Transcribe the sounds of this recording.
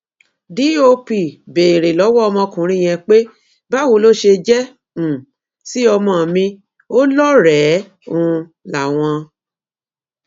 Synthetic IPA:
di˨˦o˧pi˨be˨i˨ɾe˨lɔ˨˦wɔ˦ɔ˧mɔ̃˧kũ˨ɾĩ˦˨j̃ɛ̃˧k͡pe˦ | ba˦˨wo˧lo˦ʃe˧d͡ʒɛ˦ | ũ˨ | si˦ɔ˧mɔ̃˧˨mĩ˧ | o˦lɔ˦ɾɛ˨˦ | ũ˨˧ | la˨w̃ɔ̃˧

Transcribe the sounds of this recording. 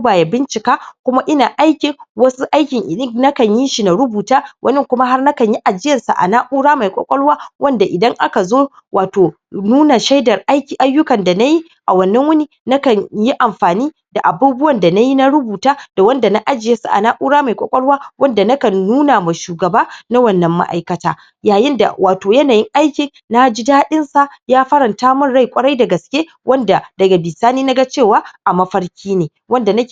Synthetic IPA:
baː˨ja˨bɪ˦nt͡ʃɪ˨kaː˦kʷʊ˦ma˦ʔɪ˦naː˨ʔa˦jkʲɪ˨ŋwɐ˦su˦ʔa˦jkʲɪ˨ŋʔɪ̰˨ɗɪ˦ŋna˦kɐ˨ɲjɪ˦nʃi˨na˨ɾʊ˦buː˨taː˦wʔɐ̰˦nɪ˦kʷʊ˦ma˦ɦa˦rna˦kɐ˨ɲji˦ʔa˨d͡ʒɪ˦jɐ˨nsa̰˨ʔa̰˨naː˦ʔu˦ɽaː˦ma˨jkʷʼɔ̰˦kʷʼɔ˦lwaː˦wʔɐ˦nda˨ʔɪ˨dɐ˦ŋʔa̰˦ka˨zoː˦ | wʔaː˨toː˨ | nuː˦na˨ʃa˦jdɐ˨rʔa˦jkʲiː˨ʔa˦jːʊ˦kɐ˨nda˨na˦ji˦ | ʔa˨wɐ˨nːɐ˦ŋwʊ˦ni˦na˦kɐ˨ɲji˦ʔa˨mɸaː˨niː˦ | da˨ʔa˨buː˦bʊ˦wɐ˨nda˨na˦ji˦na˦ɾʊ˦buː˨taː˦d̥a˨wɐ˦nda˨na˦ʔa˦d͡ʒɪ˨je˦su˦˨ʔa̰˨naː˦ʔuː˦ɽaː˦ma˨jkʷʼɔ̰˨kʷʼɔ˦ɽwaː˦wʔɐ˦nda˨nɐ˦kɐ˨nːuː˦na˨ma˨ʃuː˨ɡɐ˨baː˦na˦wɐ˦˨nːɐ˨mːa̰˦ʔa̰˦jkɐ˦ta̰ː˦ | jaː˨jɪ˦nda̰˨wʔaː˨toː˨jɐ˦naː˨jɪ˦ŋʔa˦jkʲɪ˨ŋ | na˦d͡ʒi˦daː˦ɗɪ˦nsa˨jaː˦ɸɐ˦ɾɐ˨ntaː˦mʊ˦˨nɽa˦˨jkʷʼɐ˦ɽa˦jda˨ɡɐ˨skʲeː˦ | wɐ˦nda˨dɐ˨ɡa˨bɪ˨saː˦niː˦na˦ɡa˦t͡ʃeː˦˨waː˦ʔa˨mɐ˦ɸɐ˦ɽkʲiː˦neː˨ | wɐ˦nda˨nɐ˦˨

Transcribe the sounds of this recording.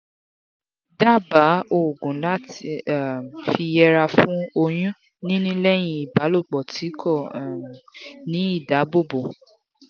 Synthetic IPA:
da˦˨ba˨˦o˦˨ɡũ˨˦la˦t | fi˧jɛ˧ɾa˧fũ˦o˧j̃ũ˦ | nĩ˦nĩ˦lɛ˦j̃ĩ˧i˨ba˨˦lo˦˨k͡pɔ˨tʰi˨˦kʰɔ˦˨ | nĩ˨˦i˦˨da˨˦bo˦˨bo˨

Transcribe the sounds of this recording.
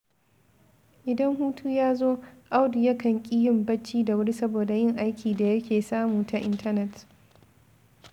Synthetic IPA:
ʔɪ˨dɐ˦ŋhuː˦tʰuː˦jaː˦zoː˦ʔa˦wdi˨jɐ˦kɐ˨ŋkʲʼi˦jɪ˦˨mbɐ˦t͡ʃːiː˦da˨wɐ˦ɽi˦sɐ˦boː˨da˨jɪ˦ŋʔa˦jkʲʰiː˨da˨jɐ˦kʲeː˨saː˦muː˨ta˨ʔɪ˦ntɐ˦nɛ˦t

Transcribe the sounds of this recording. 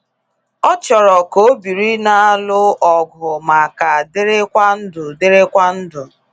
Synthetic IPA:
ɔ˦t͡ʃɔ˨ɾɔ˨ko˨o˦bi˨ɾi˦na˦a˦lʊ˦ʔɔ˨ɡʊ˨ma˨ka˨dɪ˦ɾɪ˦kʷa˦n̩˦dʊ˨dɪ˦ɾɪ˦kʷa˦n̩˦dʊ˨

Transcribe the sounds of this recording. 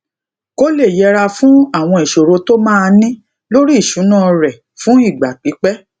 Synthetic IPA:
ko˦le˦˨jɛ˧ɾa˧fũ˦a˦˨w̃ɔ̃˧i˨ʃo˨ɾo˧to˦mãː˦˧nĩ˦ | lo˦ɾi˦i˦˨ʃũ˨˦nã˦˨ɾɛ˨ | fũ˦i˦˨ɡ͡ba˨k͡pi˨˦k͡pɛ˦

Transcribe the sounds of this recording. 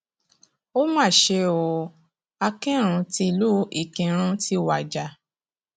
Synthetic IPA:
o˦mã˦˨ʃe˧o˧˨ | a˧kĩ˦ɾ̃ũ˧ti˧lu˦i˨kĩ˨˧ɾ̃ũ˧˦ti˦wa˨d͡ʒa˨˦

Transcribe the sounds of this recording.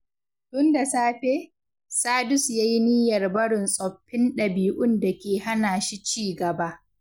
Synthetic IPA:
tʊ˦nda˨saː˦ɸeː˦ | saː˦dʊ˦sjaː˦ji˦niː˦jɐ˨rbɐ˦ɽɪ˨nsʼɔ˨ɸːɪ˦nɗɐ˨biː˨ʔʊ˦nda˨kʲeː˨ha˦naː˨ʃi˦t͡ʃiː˦ɡɐ˨ba˦ʔ

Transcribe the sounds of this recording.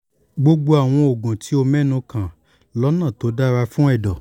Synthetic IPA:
ɡ͡bo˧ɡ͡bo˧a˨w̃ɔ̃˧o˨ɡũ˨tʰi˨˦o˧mɛ̃˦˨nũ˧kʰã˨ | lɔ˨˦nã˦˨to˨˦da˦ɾa˧fũ˦ɛ˦˨dɔ˨

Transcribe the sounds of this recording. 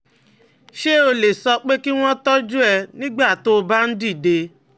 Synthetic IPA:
ʃe˦o˧le˨sɔ˧k͡pe˦ki˦w̃ɔ̃˦tɔ˦d͡ʒu˦ɛ˧nĩ˦ɡ͡ba˦˨to˦˧ba˦n̩˦di˦˨de˧

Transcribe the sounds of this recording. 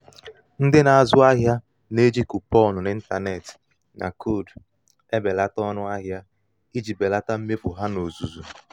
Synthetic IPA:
n̩˦dɪ˦na˨a˨zʊ˦a˦ɦja˦ | ne˦d͡ʒi˦ku˨pɔ˦˨nʊ˨nɪ˦n̩˦ta˨ne˨tɪ̥˨ | nʔa̰˨kʰo˦˨d | e˦be˨la˦tɔ˦nʊ˦a˦ɦja˦ | i˦d͡ʒi˨be˨la˦ta˦m̩˦me˦pʊ˨ɦa˦no˨zu˨zu˨

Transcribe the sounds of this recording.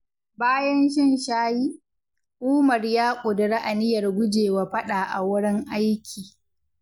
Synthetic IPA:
baː˦jɐ˦nʃɪ˦nʃaː˦jiː˦ | ʔʊː˦mɐ˨rjaː˦kʷʼʊ˨dɐ˨ɽa˦ʔa˨nɪ˦jɐ˨rɡʷʊ˦d͡ʒeː˨waː˨ɸɐ˦ɗaː˨ʔa˨wʊ˦ɽɪ˦ŋʔa˦jkʲʰiː˨

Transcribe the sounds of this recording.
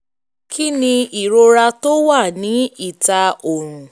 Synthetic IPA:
kʰi˦nĩ˧i˨ɾo˧ɾa˧to˦wa˦˨nĩ˨˦i˦˨ta˧o˨ɾ̃ũ˨

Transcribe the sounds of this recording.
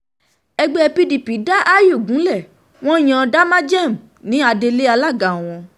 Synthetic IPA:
ɛ˧ɡ͡bɛ˦ɛ˧pi˦di˨pi˨˦da˦ʔa˦jo˦˨ɡũ˨˦lɛ˦˨ | w̃ɔ̃˦j̃ã˧da˦mã˦d͡ʒɛ˦˨m̩˨ | nĩ˨˦a˧de˧le˦a˧la˦˨ɡa˨w̃ɔ̃˧

